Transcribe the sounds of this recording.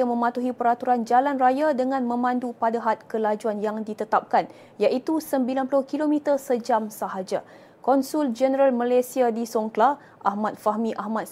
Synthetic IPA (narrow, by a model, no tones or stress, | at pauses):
amə̃mat̪uɦipəɾat̪uɾand͡ʒalanrajadəŋãnmə̃mãndupadaɦat̪̚kəlad͡ʒuanjaŋdit̪ət̪ap̚kan | jaʔit̪usəmbilanpulʊhkilomit̪ərsəd͡ʒamsaɦad͡ʒa | kɔnsuld͡ʒənəɾalmãlasiadisɔŋkla | ʔahmat̪̚faɦmĩʔahmat̪̚